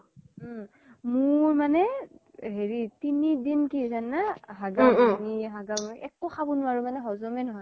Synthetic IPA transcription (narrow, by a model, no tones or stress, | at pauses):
mʊɹmanɛ | ɦeɹitinidinkizanːaɦaɡaniɦaɡamʔɛkʊxʰabunʊwaɹumanɛɦɔzɔmɛnɔɦɔj